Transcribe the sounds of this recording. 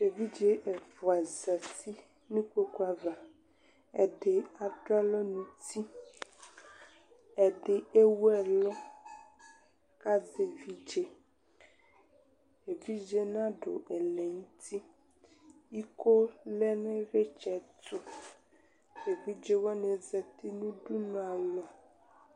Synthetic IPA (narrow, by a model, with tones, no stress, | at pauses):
e˨vi˦d͡ʒe˦ʔe˨vo˨a˨za˨ti˦ | nũ˦ke˦ku˦a˨va˨ | ɛ˨ɖe˨a˨ɖo˦a˦lɔ˦nũ˨t̪i˦ | ɛ˨ɖe˨e˦wɛ˨lɔ˦ | ka˦ze˨vi˦d͡ʒe˦ | e˨vi˦d͡ʒe˦nã˦ɖo̰˨ʔɛ˨lɛ˨ŋũ˦t̪ʰi˦ | i˦ko˦lɛ˦nẽ˦ve˦t͡ʃɛ˨t̪o˦ | e˨vi˦d͡ʒe˦wɔ˦ne˨zɛ˨t̪i˦nũ˦ɖu˦nũ˦a˨lɔ˨